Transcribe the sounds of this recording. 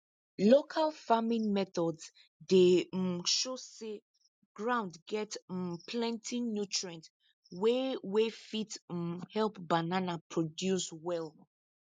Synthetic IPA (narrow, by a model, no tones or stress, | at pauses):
lokʰalfamĩŋmɛθɔds | deʃose | ɡɹãʊ̃ndɡɛtmpʰlɛ̃ntʰĩnnjutɹɛ̃nt | wewefithɛlpbananapʰɹɔdjuswɛl